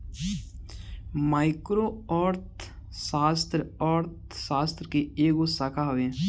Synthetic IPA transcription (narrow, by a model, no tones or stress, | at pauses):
maːɪkɾoɔːɾt̪ | saːst̪ɾɔːɾt̪̚ | saːst̪ɾkeeːɡosaːkʰaɦoʋẽ